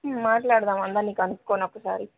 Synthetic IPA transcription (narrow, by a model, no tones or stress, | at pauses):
maːʈlaːɽðaːmɐnd̪aːniːkɐnukkːoːnɐpːuɽsa̰ːɾi